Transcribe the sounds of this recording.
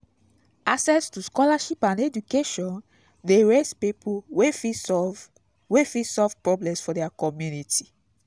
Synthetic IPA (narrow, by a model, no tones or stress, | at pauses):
asɛstuskɔlaʃipãnded͡ʒukeʃɔ̃n | deɹespipʰuwefi | wefisɔvpɹɔblɛ̃msfɔdɛakɔmjunitʰi